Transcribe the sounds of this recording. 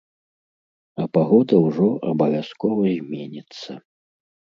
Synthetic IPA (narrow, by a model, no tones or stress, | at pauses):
ɐpaɣɔd̪ɐwʐɔʔɐbɐvʲaskɔvɐzʲmʲenʲɛt̪sːɐ